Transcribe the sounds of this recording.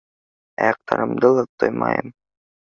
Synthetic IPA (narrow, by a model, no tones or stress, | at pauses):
ɑjɑq̚t̪ʰɑɾɤmd̪ɤlˠɤt̪ːojmɑ̰jɤm